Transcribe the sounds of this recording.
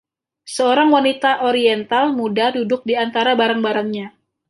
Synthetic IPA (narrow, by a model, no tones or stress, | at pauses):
səoɾaŋwanit̪aʔoɾiɛnt̪almudadudʊk̚diant̪aɾabaɾaŋbaɾaŋɲa